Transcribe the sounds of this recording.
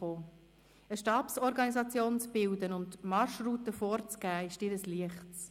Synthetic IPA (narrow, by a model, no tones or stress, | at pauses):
oː | əʃtɑːpsɔɾɡɑnizɑt͡sjoːnt͡sb̥ɪldənʊntmɑʃruːtəfoːɾt͡sɡ̥æːɪʃdɪɾəsliəχtt͡s